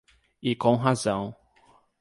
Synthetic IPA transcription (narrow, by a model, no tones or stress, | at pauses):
ɪkõɦazɐ̃w̃